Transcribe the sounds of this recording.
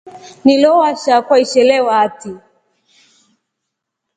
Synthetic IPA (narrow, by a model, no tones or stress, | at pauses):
nilɔwaʃakwaiʃɛlɛwaːti